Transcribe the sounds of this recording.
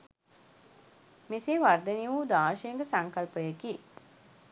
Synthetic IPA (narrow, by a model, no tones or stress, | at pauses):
miseːʋard̪eniʋuːd̪aːʃeŋɡəsaŋkɐlpəjekiː